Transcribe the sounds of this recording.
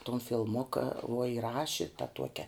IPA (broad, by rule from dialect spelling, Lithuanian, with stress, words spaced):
toːn fʲɪlˠˈmʊkɐ uɔ ɪˈrɑːʃʲɪ tɐ ˈtuɔkʲɛ